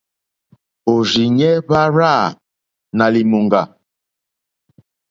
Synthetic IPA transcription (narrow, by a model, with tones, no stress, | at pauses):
o˨zi˨ɲɛ˦βa˦ɾa˦˨ | na˨li˨mo˨ŋɡa˨